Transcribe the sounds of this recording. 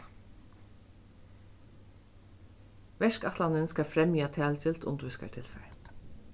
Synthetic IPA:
ʋɛʃkɑt̪lanɪnskɑfɾɛmjiːat̪ʰæːlcɪlt̪ʊ̰nt̪ʋɪska̰tʰɪlfɛ̰ɹ

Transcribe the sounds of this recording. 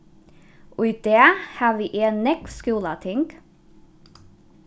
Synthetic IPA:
ʔoɪd̪̥eːhɑːʋiːʔeːnnɛkskʉːlɑt̪ʰɪŋɡ

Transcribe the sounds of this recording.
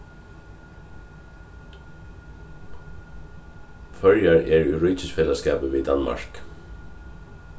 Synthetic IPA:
fœɹjaɹɛɹiɹʏːcəsfɛːlaskɑ̰ːpəʋiːd̪anma̰ɹk

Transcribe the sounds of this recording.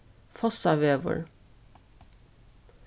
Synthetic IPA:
fɔsɑʋeːʋə̰ɹ

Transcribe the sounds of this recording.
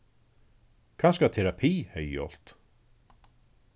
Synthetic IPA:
kʰanskat̪ʰɛɾapʰiːhɛjjɔ̰l̥t̪

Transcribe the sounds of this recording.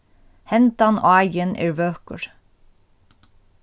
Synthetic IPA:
hɛnt̪ɑnʔo̰ːæɪənʔḛːɹʋøːkə̰ɹ

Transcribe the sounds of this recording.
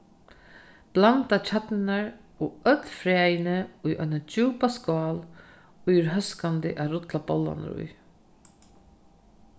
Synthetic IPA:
b̥lant̪at͡ʃʰat̪nɪnaɹ | ɔœt̪lfɾɛːjɪnəʊjʔœ̰ɪnad͡ʒuːpaskɔːl | ʊjɪɾɦœskant̪ɪʔaɾʊt̪labɔlːa̰nɪ̰ɾʊ̰j

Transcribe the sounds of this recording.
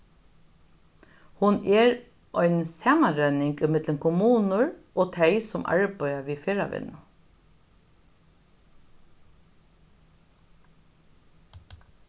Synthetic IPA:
hʊnɛɹ | ʔɔʏnsɑːmanɹœnɪŋkɪmɪd̪lənkʰʊmuːnʊɹʔoːt̪ʰɛɪsʊmʔɑ̰ɹbœʏaʋiːfeːɹaʋɪ̰nʊ

